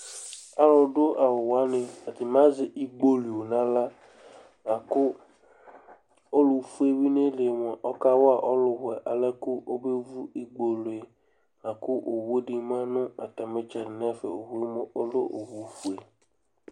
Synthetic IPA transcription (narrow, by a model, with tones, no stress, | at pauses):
a˦lɔ˨ɖʊ˦ʔa˨wʊ˨wa˦nɪ̃˨a˨dɪ˨m˦ã˦zɪ˨ʔi˦ɡ͡bo˦lu˨o˨nã˨la˦ | ŋã˨kʊ˦ | o˦lʊ˨fu˦e˦wi˦ne˦le˨m˨a˨ʔɔ˦ka˦wɔ˦a˨ʔɔ˦lʊ˨ɦɛ˨ʔa˨lɛ˦kʊ˦ʔo˦be˦vu˦i˨ɡ͡bo˨lʊ˨e˨ | ŋã˨kʊ˦ʔo˨wu˦e˦dɪ˨mã˦nʊ̃˦a˨t̪a˨me˦t͡ʃɛ˨ɾɪ˨n˦a˦fḛ˨o˨ɦu˦e˦mo˦o˦lo˦ʔo̰˨wu˨fu˨e˨